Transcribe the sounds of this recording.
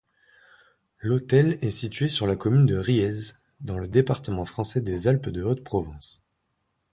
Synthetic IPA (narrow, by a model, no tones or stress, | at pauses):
lot̪ɛlɛsit̪ɥesyʁlakɔmynd̪əʁiɛz | d̪ɑ̃ləd̪epaʁt̪əmɑ̃fχɑ̃sɛd̪ezalpd̪əot̪pχɔvɑ̃s